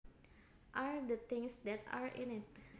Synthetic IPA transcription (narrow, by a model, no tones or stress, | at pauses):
ʔald̪ət̪ɪ̃ŋsd̪ɛt̪a̰ɹɪ̰̃nɪt̪̚